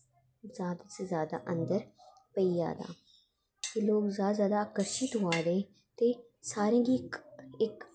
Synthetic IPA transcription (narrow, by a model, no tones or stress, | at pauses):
zjaːd̪asezjaːd̪a̰ʔɐ̃nd̪əɾ | pɐija̰ːd̪a̰ː | k̪eloːɡzjaːd̪azjaːd̪aaːkəɾʃɪt̪ɦʊaːd̪ẽː | t̪e | saːɾẽɡiɪk